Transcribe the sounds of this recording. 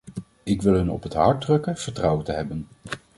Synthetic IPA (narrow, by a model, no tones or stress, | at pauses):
ɪkʋɪlˠɦɵnɔ̰pɦətɦɑɹd̚rɵkənv̥əɹtrɑwətəɦɛbən